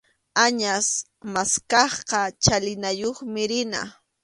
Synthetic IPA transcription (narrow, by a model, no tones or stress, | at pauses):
aɲas | maskɑχqɑt͡ʃalɪnajoχmɪɾɪna̰